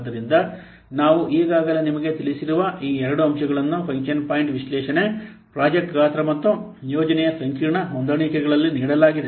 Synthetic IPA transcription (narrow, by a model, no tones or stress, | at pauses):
d̪ɐɾind̪ɐ | naːʋuʔiːɡaːɡɐlenimɐɡe̞t̪ilisiɾuʋɐʔiːɛɾɐɽuɐmʃɐɡɐɭɐnːupʰɐŋkʃɐnpaːjiɳʈʋiʃlɛːʃɐne | pɾaːd͡ʒɐk̚ʈɡaːt̪ɾɐmɐt̪ːu | joːd͡ʒɐnɛjɐsɐŋkiːɾɳɐɦond̪ɐɳikɛɡɐɭɐlːiniːɽɐlaːɡid̪e